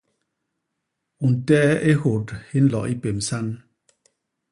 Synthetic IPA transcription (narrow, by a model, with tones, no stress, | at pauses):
u˨n˨tɛ˦ʔe˦ho˨thi˦n̩˦lɔ̰˨ʔi˦pe˨m˨sa˦n